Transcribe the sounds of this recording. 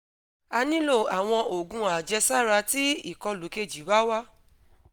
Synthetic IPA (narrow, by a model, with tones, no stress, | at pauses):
a˧nĩ˦lo˦˨a˨w̃ɔ̃˧o˨ɡũ˧˦a˨d͡ʒɛ˧sa˦˨ɾa˧ti˦i˦˨kɔ˧lo˨˦ke˦˨d͡ʒi˨˦ba˦wa˦